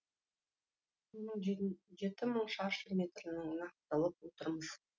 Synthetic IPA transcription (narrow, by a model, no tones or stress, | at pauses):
məɴʒe̞t̪ɪməɴʃɑʃʲimʲe̞t̪rənəɴnɑqt̪ɑlˠəp̚wot̪əɾməz̥